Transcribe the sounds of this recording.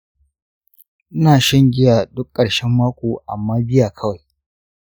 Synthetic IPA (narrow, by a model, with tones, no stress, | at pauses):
ʔɪ˦naː˨ʃɐ˦ŋɡʲɪ˦jaː˨dʊ˦kʼːɐ˨ɽʃɛ˦mːaː˦kʷoː˨ʔa˨mːaː˦bɪ˦jaː˨kʰɐ˦wa˨j